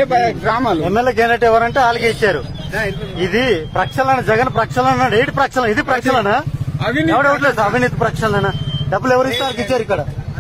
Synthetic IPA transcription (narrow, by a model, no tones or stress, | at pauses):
ɾaːmaemːelːeːɡeneʈɛʋɐɾɐɳʈeːaːlɐkeit͡ʃːaːɾu | id̪ipɾɐkʂɐlɐnɐd͡ʒɛɡɐnpɾɐkʂɐlɐnnaɖejʈpɾɐkʂɐlɐnid̪ipɾɐkʂɐlɐna | ɛʋɐɽeʋɐʈ̬lesaɐbʱinit̪ipɾɐkʂɐnɐlɐnaɖɐbːulɛʋɐɾist̪ːaːlɐkit͡ʃːaːɾikːɐɽa